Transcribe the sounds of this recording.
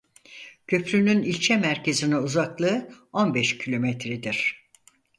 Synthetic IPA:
cʰø̞pɾynynilʲt͡ʃʰɛmæɾcʰe̞zinɛuzaklˠɯːo̞nbɛʃcʰilʲo̞mɛt̪ʰɾid̪iɾ̝̥

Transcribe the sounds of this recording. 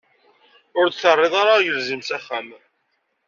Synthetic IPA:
ʊɾd̪θərˤːɪðˤaɾajəlzimsæχːæm

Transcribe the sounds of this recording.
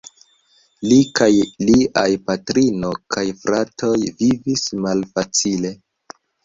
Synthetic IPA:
likajliʔajpatɾino̞kʰajfɾatʰo̞jvivismalfat͡sile̞

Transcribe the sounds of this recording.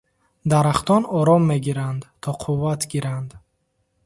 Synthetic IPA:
d̪aɾaχt̪ʰɔnɔɾɔmːe̞ɡiɾand̪t̪ʰɔqʰuvːat̪ɡiɾand̪

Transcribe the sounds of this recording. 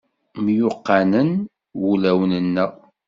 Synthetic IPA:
mjʊqːɑnən | wulæwənənːəʁ

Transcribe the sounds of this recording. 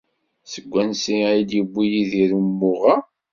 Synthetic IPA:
səɡʷːænsiæjid̪jibʷːijiðiɾumːʊʁa

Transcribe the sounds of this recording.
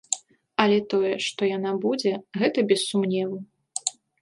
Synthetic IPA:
ɐlʲɛt̪ɔjɛʂt̪ɔjanabud͡zʲɛɣɛt̪ɐbʲɛsːumnʲɛvɐ

